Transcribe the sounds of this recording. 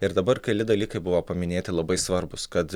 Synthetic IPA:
ɪɾd̪ɐbɐɾkʲɐlʲɪd̪ɐlʲiːkɐɪbʊʋoːpɐmʲɪnʲeːt̪ʲɪlˠɐbɐɪsʋɐɾbʊskɐt̪

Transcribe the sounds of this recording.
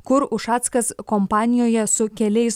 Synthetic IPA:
kʊɾʊʃɑːt̪skɐskompɑːnʲɪjoːjɛsʊkʲɛlʲɛɪs

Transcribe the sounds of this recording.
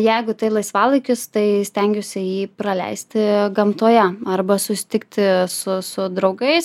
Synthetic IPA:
jɛɪɡʊt̪ɐɪlˠɐɪsʋɑːlˠɐɪkʲʊst̪ɐɪsʲt̪ʲɛŋʲɡʲoːsʲɪjiːpɾɐlʲɛ̰ɪsʲt̪ʲɪɡɐmt̪oːjɛɐrbɐsʊsʲɪ̥t̪ʲɪkt̪ʲɪsʊsʊd̪ɾɒʊɡɐɪs

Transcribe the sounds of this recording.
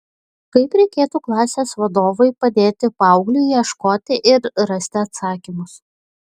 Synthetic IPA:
kɐɪpɾʲɛɪkʲeːt̪uːklˠɑːsʲeːsʋɐd̪oːʋɐɪpɐd̪ʲeːt̪ʲɪpɑʊɡlʲuːjɛʃkoːt̪ʲɪʔɪɾɾɐsʲt̪ʲɪɐt̪sɑːkʲimʊs

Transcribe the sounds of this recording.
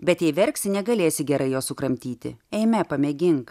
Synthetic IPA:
bʲɛt̪jɛɪʋʲɛɾʲksʲɪnʲɛɡɐlʲeːsʲɪɡʲɛɾɐɪjoːsʊkɾɐmʲt̪ʲiːt̪ʲɪ̰ɛɪmʲɛpɐmʲɛɡʲɪŋk

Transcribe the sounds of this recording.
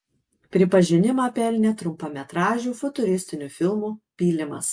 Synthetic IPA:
pʲɾʲɪpɐʒʲɪnʲɪmɑːpʲɛlʲnʲɛt̪ɾʊmpoːmʲɛt̪ɾɑːʒʲuːfʊt̪ʊɾʲɪsʲt̪ʲɪnʲufʲɪlˠmuːpʲiːlʲɪmɐ̰s

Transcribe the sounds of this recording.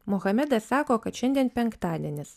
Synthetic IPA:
mɔɣɐmʲɛd̪ɐssɑːkoːkɐt̪ʃʲɛnʲd̪ʲiɛnpʲɛŋkt̪ɑːd̪ʲiɛnʲɪs

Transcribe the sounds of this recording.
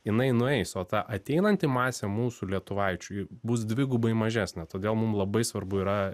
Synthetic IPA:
jɪnɐɪnʊɛɪsoːt̪ɑʔɐt̪ʲɛɪnɐnʲt̪ʲɪmɑːsʲɛmuːsuːlʲiɛt̪ʊʋɐɪt͡ʃʲʊɪbʊsd̪ʲʋʲɪɡʊːbɐɪmɐʒʲæːsʲnʲɛt̪oːd̪ʲeːlˠmʊmlˠɐbɐɪsʋɐrbʊiɾɐ

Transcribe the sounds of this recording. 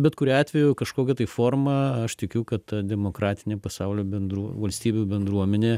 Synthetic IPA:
bʲɛt̪kʊɾʲiːɑːt̪ʲʋʲɛjʊkɐʃkoːkʲɛt̪ɐɪfoːrmɐɐʃt̪ʲɪkʲʊkɐt̪t̪ɐd̪ʲɛmoːkɾɑːt̪ʲɪnʲeːpɐsɑʊlʲoːbʲɛnd̪ɾuɔʋɐlʲsʲt̪ʲiːbʲubʲɛnd̪ɾuɔmʲɛnʲeː

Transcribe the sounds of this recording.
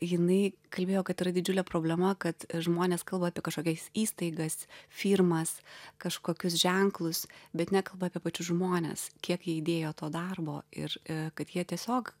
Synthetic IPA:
jɪnɐɪkɐlʲbʲeːjoːkɐt̪ɪɾɐd̪ʲɪd͡ʒʲʊlʲɛpɾoːbʲlʲɛmɐkɐt̪ʒmoːnʲeːskɐlˠbɐaːpʲiɛkɐʃkoːkʲɛsʲiːst̪ɐɪɡɐsfʲiːɾmɐskɐʃkoːkʲʊs̬ʒʲɛŋklˠʊsbʲɛt̪nʲɛkɐlˠbɐaːpʲiɛpɐt͡ʃʲʊsʒmoːnʲḛskʲiɛkjiɛɪd̪ʲeːjoːt̪oːd̪ɐrboːɪ̰ɾkɐt̪jiɛt̪ʲiɛsʲoːk

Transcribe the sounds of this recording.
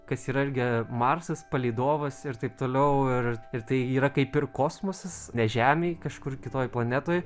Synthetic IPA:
kɐsiːɾɐɪɾʲɡʲɪmɑrsɐspɐlʲiɪd̪oːʋɐsɪɾt̪ɐɪp̚t̪oːlʲɛʊɪrɪɾt̪ɐɪiːɾɐkɐɪpɪrkoːsmosɐsnʲɛʒʲæːmʲeɪkɐʃkʊrkʲɪt̪oːjplˠɐnʲæt̪oːj

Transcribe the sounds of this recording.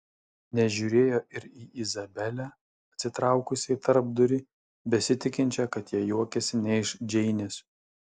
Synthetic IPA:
nʲɛʒʲuːɾʲeːjoːɪɾiːʔizɐbʲɛlʲæ | ɐt̪ʲsʲɪt̪ɾɑˑʊkʊsʲɪɪt̪ɐɾb̚d̪ʊɾʲɪ | bʲɛsʲɪt̪ʲɪkʲɪnʲt͡ʃʲɛkɐt̪jiɛjuɔkʲɛsʲɪnʲɛɪʃd͡ʒʲɛɪnʲɪs

